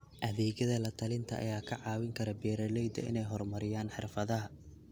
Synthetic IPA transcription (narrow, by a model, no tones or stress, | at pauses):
ʔɐðɛːɣjɐðɐlɐt̪ʰɐlɪnt̪ʰɐʔɐ̰jaːkʰɐʕɑːwɪŋkʰɐɾɐbɛːɾɐlɛjd̪ɐ̰ɪ̰nɛjɦɔrmɐɾɪjaːnħɪrfɐðɐɦɐ